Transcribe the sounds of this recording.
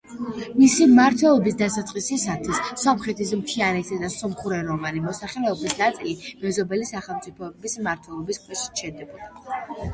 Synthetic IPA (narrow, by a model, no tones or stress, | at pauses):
misimaɾt̪ʰwɛlˠɔbisd̪asat̪sʼqʼisisat̪ʰwissɔmχɾɛt̪ʰismt̪ʰianɛt̪ʰad̪asɔmχuɾɛɾɔvanimɔsaχɛlɛɔbisnat̪sʼilimɛzɔbɛlisaχɛlˠmt̪sʼipʰɔbismaɾt̪ʰwɛlˠɔbiskʰʼwɛʃi̥ʃɛd̪ɛbɔd̪